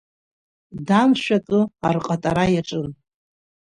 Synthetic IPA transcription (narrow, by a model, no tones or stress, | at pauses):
damʃʷᶣakʼɨarqʼatʼaɾajaʈ͡ʂʼɨn